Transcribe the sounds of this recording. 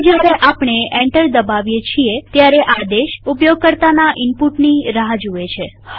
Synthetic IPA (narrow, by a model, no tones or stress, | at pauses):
d͡ʒjaɾeʔapɳ̃eɛɳʈəɾd̪əbaʋjet͡ʃʰiet̪jaɾeʔad̪eʃupjoɡ̚kəɾt̪anaʔɪmpuʈniɾəɦad͡ʒuet͡ʃʰe